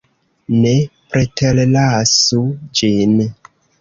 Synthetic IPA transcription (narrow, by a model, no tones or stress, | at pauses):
nepɾetellasud͡ʒin